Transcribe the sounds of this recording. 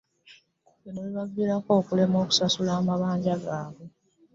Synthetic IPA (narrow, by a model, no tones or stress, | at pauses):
eneβiβaɡːiɾako̞ːkule̞mo̞ːku̥sasulaːmaβaːɲɟaɡaːβe